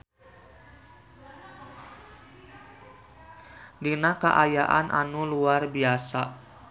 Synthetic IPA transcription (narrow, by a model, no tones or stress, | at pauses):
dinakəʔajaʔanʔa̰nuluarbiasa